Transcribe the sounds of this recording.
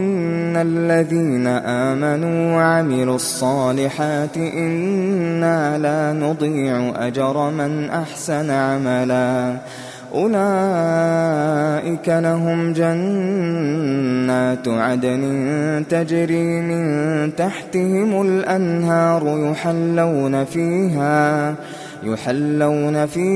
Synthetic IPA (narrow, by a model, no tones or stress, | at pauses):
ʔɪnnːalːaðiːnaʔaːmanuːwaʕamɪlʊɑsˤːɑːlɪħaːt̪ɪʔɪnːaːlaːnʊd̪ˤiːʕʊʔa̰d͡ʒɑɾˤɑmɪnʔaħsanʕamalaː | ʔʊlaː | ʔɪkalaɦʊmd͡ʒan | aːt̪ʕad̪anɪt̪ad͡ʒɾiːmɪnt̪aħt̪ɪhɪmalʔanɦɑːɾˤʊjʊħalːawnafiːɦaː | jʊħalːawnafiː